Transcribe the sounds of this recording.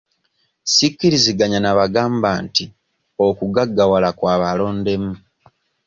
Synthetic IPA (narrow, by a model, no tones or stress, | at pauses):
sikːiɾiziɡaɲanaβaɡaːmbaːnti | o̞kuɡaɡːawalakwaːβalo̞ːnde̞mu